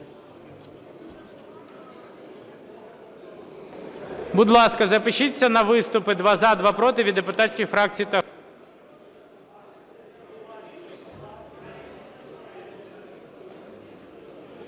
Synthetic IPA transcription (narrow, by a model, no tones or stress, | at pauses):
bʊd̪lˠɑskɐzɐpɪʃit͡sʲːɐnɐʋɪst̪ʊpɪd̪ʋɑzɑd̪ʋɑpɾɔt̪ɪʋʲid̪ːepʊt̪atʲsʲkʲijfɾɑk̚t͡sʲijit̪ɐ